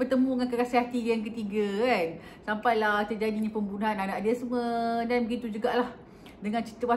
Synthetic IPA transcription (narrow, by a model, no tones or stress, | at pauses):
bərt̪əmũŋankəɾasiɦat̪ijaŋk̬ət̪iɡakan | sampajlaht̪ərd͡ʒadiɲapəmbunɦananãʔdiəsəmədanbəɡit̪ud͡ʒuɡaʔlah | dəŋãnt͡ʃi̥t̪əwa